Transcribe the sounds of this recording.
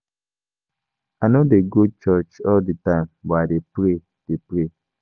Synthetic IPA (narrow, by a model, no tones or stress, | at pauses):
anodeɡot͡ʃɔt͡ʃɔlditãɪ̃mwɛadepɾe | d̥epɾe